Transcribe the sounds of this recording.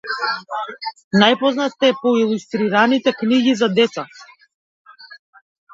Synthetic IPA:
najpɔznat̪ːɛpɔilˠust̪ɾiɾanit̪ɛkniɡizad̪ɛt̪sa

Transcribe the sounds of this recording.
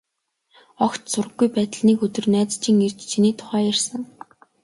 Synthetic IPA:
ɔkt̪sʊrə̆ɡːujpæːt̪ə̆ɮniːkɵt̪ɵ̆rnæːt͡st͡ɕiːŋer̥t͡ɕt͡ɕʰiniːt̪ʰʊ̥χæːjærsə̆ŋ

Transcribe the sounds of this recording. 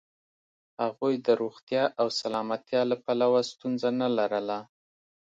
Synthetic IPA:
haɣujd̪əɾoɣt̪jɑʔawsalɑmat̪jɑlapalawast̪unzanalaɾəla

